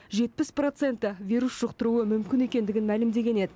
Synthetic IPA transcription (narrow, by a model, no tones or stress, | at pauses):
ʒe̞t̪̚pɪspro̞t̪se̞nt̪ːɪvʲijɾusʒ̥ʊqt̪əɾuəmʏmkʲɪne̞kʲe̞nd̪ɪɡʲɪnmælɪmd̪e̞ɡʲe̞ne̞d̪ɪ